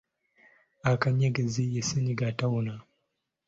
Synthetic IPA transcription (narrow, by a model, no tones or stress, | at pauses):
akaɲjeɡəzijesiniɡatawuna